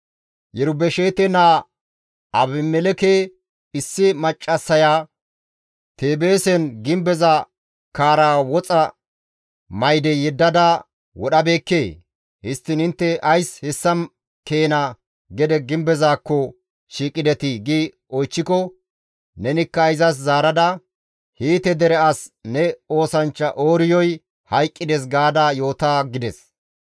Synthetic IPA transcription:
jɛɾʊbɛʃeːt̪ɛnaː | ɐbɪmːɛlɛkeː | ɪsːɪmɐt͡ʃʼːɐsːɐjaː | t̪eːbe̞ːsɛnɡɪmbɛza | kaːɾaːwɔt͡sʼɐ | mɐjd̪ɛjɛd̪ːɐd̪ɐ | wɔɗɐbe̞ːkːe̞ː | hɪst̪ːɪnhɪnt̪ːɛʔɐjshɪsːɐm | ke̞ːna | ɡɛd̪ɛɡɪmbɛzaːkːɔ | ʃiːkʼɪd̪ɛt̪ɪɡi | ɔjt͡ʃːɪkɔ | nɛnɪkːɐɪzɐs̬zaːɾɐd̪ɐ | hiːt̪ɛd̪ɛɾɛɐsnɛo̞ːsɐnt͡ʃːɐʔoːɾɪjɔj | hɐjkʼːɪd̪ɛs̬ɡaːd̪aːjo̞ːt̪aːɡɪd̪ɛs

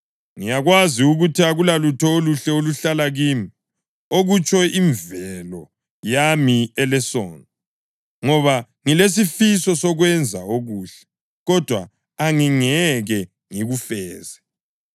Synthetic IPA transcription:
ŋijaɣwaziuɣutʰiaɣulalutʰɔoluɬɛoluɬalaɣiːmi | oɣut͡ʃʼɔʔiɱvɛlɔ | jamiɛlɛsɔ̰ːnɔ | ŋɔβa | ŋiles̬ifisɔsɔɣwɛnd͡zʱa̰oɣuːɬɛ̥ | ɣɔd̥ʱwa̰ | aŋiŋɛɣɛ | ŋiɣufɛːzɛ

